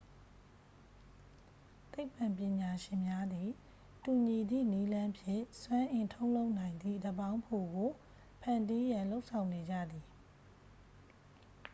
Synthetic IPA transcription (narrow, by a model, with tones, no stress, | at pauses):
t̪e˦ɪpã˨mp̬jɪ̃˨ɲa˨ʃɪ̃˨mja˦d̪ði˨ | tu˨ɲi˨d̪ðḭ˦˨ni˦lã˦mpʰjɪ̰̃˦˨swã˦ʔɪ̃˨ntʰõ˦ʊ̃lo˦ʊʔnã˨ɪ̃nd̪ðḭ˦˨də˨bã˦ʊ̃mpʰo˨ɡo˨ | pʰã˨ndi˦jã˨lo˦ʊʔsʰã˨ʊ̃ne˨d͡ʑä̰˦˨d̪i˨